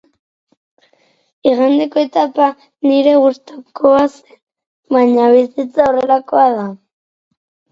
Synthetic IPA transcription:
iɣand̪eko̞et̪apa | niɾe̞ɣust̪okoase̥n | βaɲaβisit͡saore̞lako̞aða

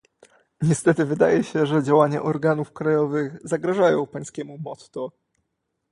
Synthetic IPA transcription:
ɲɛst̪ɛt̪ɘvɘd̪a̰jɛɕɛʐɛd͡ʑawaɲa̰ʔɔɾɡanufkɾajɔvɘɣzaɡɾaʐajɔ̃w̃paj̃skʲɛmumɔt̪t̪ɔ

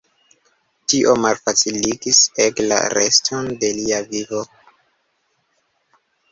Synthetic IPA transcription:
tiʔo̞malfat͡siliɡisekla̰ɾḛstʰonde̞liavivo̞

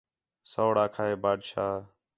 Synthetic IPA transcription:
səːɽaːkʰaːɦeːbaːɖʃaː

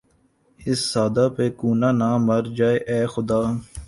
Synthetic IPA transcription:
ɪsːaːd̪aːpeːkuːnaːnãːməɾd͡ʒaːeʔɛːxʊd̪aː

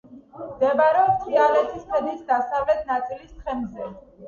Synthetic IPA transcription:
md̪ɛbaɾɛɔt̪ʼχʼialɛt̪ʰispʰɛd̪nit̪ʰd̪asavlɛt̪ʰnat̪sʼilist̪χʰɛmzɛ

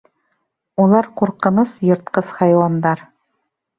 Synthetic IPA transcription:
ulˠɑɾquɾqɤ̆nɤsjɤ̆ɾt̪̚qɤsχɑjwɑnd̪ɑɾ

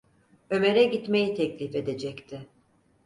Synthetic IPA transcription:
ø̞me̞ɾɛɟit̪me̞jit̪ʰɛclʲife̞d̪e̞d͡ʒɛct̪ʰɪ

